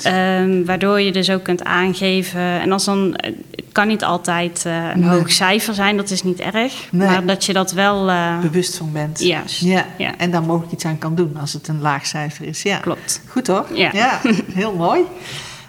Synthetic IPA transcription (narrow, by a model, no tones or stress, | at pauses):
əmʋaːɹdoːɹjədɵsowkːɵnta̰ːnɣejvəɛ̰nɑlˠsdɑn̰əkɑnːitɑ̰lˠtɛjtə̰nɦowxsɛjfəɹzɛjndɑtɪsnitɛ̰rəxnmaːɹdɑtjədɑtʋɛlˠbəʋɵstfɑnbɛntjaja̰ʔɛndaːɹmowɣələkitsaːnkɑndunɑlˠsətənlaːxsɛjfərɪsjaklɔ̰p̚txutorja̰jaɦɪːlˠmoːj